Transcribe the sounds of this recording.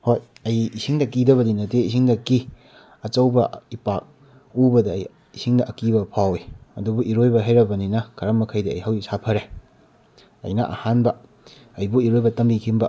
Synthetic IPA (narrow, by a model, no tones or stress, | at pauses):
hojɐjisiŋdɐkidɐβɐdinɐteisiŋdɐkːi | ɐt͡ʃɐwbɐipak̚ | ubɐdɐ̰j | isiŋdɐʔɐkibɐpʰawiɐdubuʔiɾojbɐɦajɾɐbɐninɐkʰɐɾɐmːɐkʰɐjdɐɐ̰jɦawisapʰɐɾe | ɐ̰jnɐʔɐ̰hanbɐ | ɐjbuiɾojbɐtɐmbikʰimbɐ